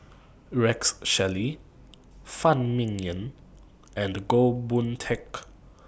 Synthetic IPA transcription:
ɹɛksʃɛli | fãnmĩnjə̃n | ɛ̃nɡobũntʰɛk

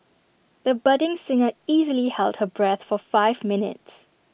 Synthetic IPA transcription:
ðəbʌdɪ̃ŋsɪ̃ŋəiːzəlihɛldhəbɹɛθfɔfaɪvmɪnɪ̰ts

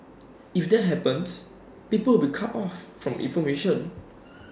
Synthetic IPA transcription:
ifdɛt̚ɦɛpə̃ns | pipəwbikʰatɔfːɹɔ̃mʔḭ̃nfɔmeʃə̃n

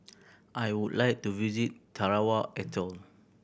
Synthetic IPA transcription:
ʔajwudlajk̚tuvizit̚ːʰaɹawaʔɛtʰɔl

